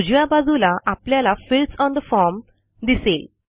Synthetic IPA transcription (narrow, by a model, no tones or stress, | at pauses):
ud͡ʑʋãbad͡zulaʔapljalafilʈsɔnd̪əfɔɾm | d̪isel